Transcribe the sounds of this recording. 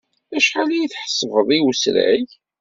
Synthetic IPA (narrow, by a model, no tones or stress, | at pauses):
æʃħalijiθħsˤəvəðˤiwsɾæ̰ʝ